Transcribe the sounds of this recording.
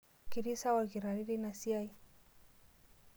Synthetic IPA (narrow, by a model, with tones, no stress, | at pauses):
ki˨ɾi˦sa˦waɣi˨ɾaɾi˦ɾina˨sia˦i